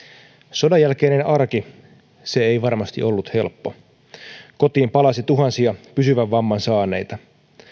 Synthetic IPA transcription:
so̞dɑjːælk̟e̞ːnenɑrki | seejʋɑrmɑst̪ḭʔolːut̪he̞lpːo̞ | ko̞t̪iːmpɑlɑsit̪uɦɑnsiɑpysyʋæʋːɑmːɑnsɑːne̞̰jt̪ɑ

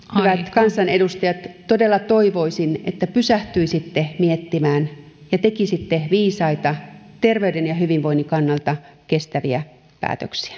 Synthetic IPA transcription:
hyʋæt̪kɑnsɑnedust̪ɑjɑt̪ːodelːɑt̪oiʋoisinḛt̪ːæpysæht̪yisit̪ːemiet̪ːimæːn | jɑt̪ekisit̪ːeʋiːsɑit̪ɑ | t̪erʋeydenjɑhyʋinʋoinːikɑnːɑlt̪ɑ | kest̪æʋiæ | pæ̰ːt̪øksi̥æ̥

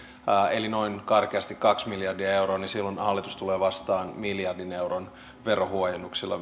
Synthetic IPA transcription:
elino̞inkɑrkeɑst̪ikkɑksmiljɑrdiɑe̞uɾoːnisilːonɑlːit̪ust̪uleːʋɑst̪ɑːnmiljɑrdinewɾon | ʋerohuojenːuksilːɑ̰

